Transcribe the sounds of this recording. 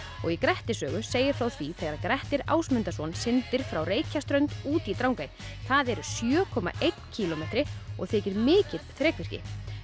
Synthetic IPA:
ɔ̰ɣikɾɛht̪ɪsœːɣʏseːjɪɾ̥fɾawθviθɛɣaɾaðkɾɛht̪ɪɾa̰ːwsmʏnt̪asɔnsɪnt̪ɪɾ̥fɾawreːjcʰast̪ɾœɥnt̪uːt̪it̪ɾawŋkajɪθaðɛɾʏsjœːkʰɔːma̰ʔejt̪n̥cʰiːlɔmet̪ɾɪɔ̰ɣθʰɪːcɪɾmɪːcɪt̪θɾɛːkvɪr̥cɪ̰

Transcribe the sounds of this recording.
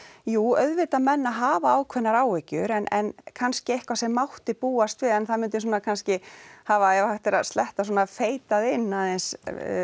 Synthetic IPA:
juːœðvɪt̪amɛnːaɦaːvaaːwkʰvɛnːaɾaːwɛcʏɾɛnɛ̰nkʰanscɪejhkvasɛmːawht̪ɪpuːast̪vɪðɛnθaðmʏnt̪̬ɪsuːnakʰanscɪhavaɛvaht̪ɪɾaðst̪ɛht̪as̬ɔːnafeːjt̪aðɪnːaðɛns

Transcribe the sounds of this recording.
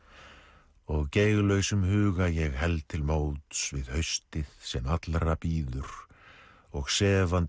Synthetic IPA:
ɔɣcejɣlœɥsʏmhʏːɣajɛɣɦɛlt̪ʰɪlmoːwt̪svɪðhœɥst̪ɪðsɛmat̪lɾapiːðʏɾ̥ | ɔɣsɛːvant̪

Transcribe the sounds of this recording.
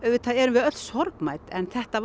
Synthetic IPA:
ɛvɪt̪ʰaðɛɾʏmvɪðœt̪shɔɾkmaːjt̪ɛnθɛht̪av

